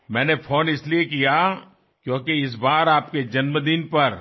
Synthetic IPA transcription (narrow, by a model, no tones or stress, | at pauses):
mɛ̃ːnefʰoːnɪsliekija | kjõːkeɪs̬baːɾaːp̚ked͡ʒɐnməd̪inpɐɾ